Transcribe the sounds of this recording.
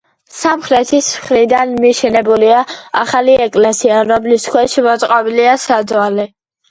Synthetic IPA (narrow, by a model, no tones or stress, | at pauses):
samχɾɛt̪ʰismχɾid̪anmiʃɛnɛbuliaaχaliɛkʼlɛsiaɾɔmliskʰwɛʃimɔt̪sʼqʼɔbiliasad̪zwalɛ